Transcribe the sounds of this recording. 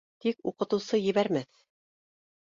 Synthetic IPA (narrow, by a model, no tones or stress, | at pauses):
t̪ikuqɤ̆t̪ɤ̆wsɤjɘ̆βæɾmæθ